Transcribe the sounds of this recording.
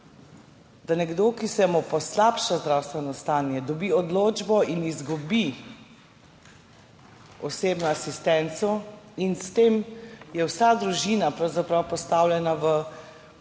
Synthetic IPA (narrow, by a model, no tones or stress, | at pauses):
d̪anɛɡd̪okisɛmupɔslaːpʃazd̪ɾaːwst̪ʋɛnɔst̪aːnjɛd̪ɔbiːɔd̪loːd͡ʒbɔinizɡubi | ɔseːbnɔasist̪ɛnt̪sɔinst̪eːmjɛwsad̪ɾuʒinapɾawzapɾawpɔst̪aːwlʲjɛnaʋə